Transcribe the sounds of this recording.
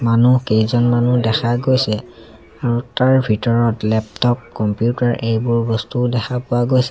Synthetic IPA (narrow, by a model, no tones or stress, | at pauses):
manukejzɔnmanudɛxʰaɡojsɛ | aɹutaɹbʱitɔɹɔtlɛptɔp̚kɔmpijutaɹʔejbʊɹbɔstudɛxʰapʊaɡojsɛ